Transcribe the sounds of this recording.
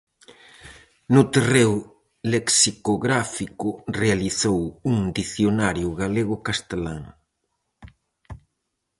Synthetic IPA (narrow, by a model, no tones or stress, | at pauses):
nʊt̪erew | leksikoɣɾafikʊrealiθowuŋd̪iθjonaɾjʊɣaleɣʊkast̪elaŋ